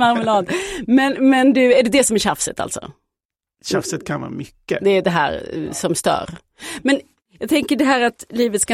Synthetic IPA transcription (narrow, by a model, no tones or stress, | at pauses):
maɾməlɑːd̪mɛnmɛnd̪ɵæɖɛd̪ɛsɔmæɾɕafsə̰t̪ʰa̰lt̪sɔ̰ | ɕafsət̪̚kʰanvɑ̰ːmʏkːə̰d̪ɛːɖɛɦæ̰ːɾsɔmst̪œ̰ːɾ | mɛn | jɑːɡt̪ʰɛŋkəɖɛɦæːɾat̪liːvət̪ska